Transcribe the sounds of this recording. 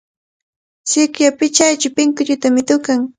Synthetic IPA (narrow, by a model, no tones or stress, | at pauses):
sɪkjapɪt͡ʃajt͡ʃʊpɪŋkʊʎʊt̪amɪt̪ʊkaŋ